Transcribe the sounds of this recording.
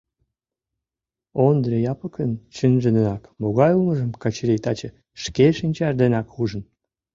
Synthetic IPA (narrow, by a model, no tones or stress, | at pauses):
ond̪ɾejɑpəkənt͡ɕənʒənənɑkmoɣɑjuməʒəmkɑt͡ɕəɾejt̪ɑt͡ɕə | ʃkeʃinʲt͡ɕɑʒd̪enɑkxuʒə̆n